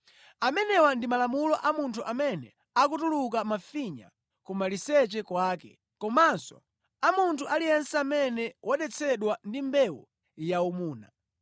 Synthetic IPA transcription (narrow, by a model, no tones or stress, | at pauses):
amɛnɛwandimalamulɔʔamuntʰuʔamɛnɛ | ak̬utuluk̬amafiɲa̰ | kumalisɛt͡ʃɛkwaːkɛ | kɔmansɔ̰ | amuntʰuʔalijɛnsamɛnɛwʔaɗɛt͡sʰɛɗwandimbɛwɔ | jaumuːna